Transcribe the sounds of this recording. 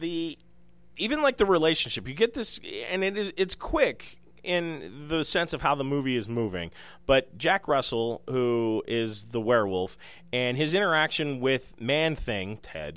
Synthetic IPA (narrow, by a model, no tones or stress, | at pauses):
ði | ivɨ̃nlaɪk̚ðəɹileɪʃɨ̃n̩ʃɪpjɨɡɛt̪̚ðɪsɨ̰̃nɨɾɪzɨtskʰw̥ɪk | ʔɪ̃nðɨsɛ̃nsʌv̥haʊðəmʉviɨzmuvɪ̰̃ŋ | b̥ʌt̚d̥ʒ̥ækɹʌsl̩ˠhuɪzðəwɛɹwʊlˠf | ɨ̃nɨzɪ̃ɾ̃ə˞ækʃɨ̃nwɪð̥mæ̃nθɪ̃ŋtʰɛ̰d̥̚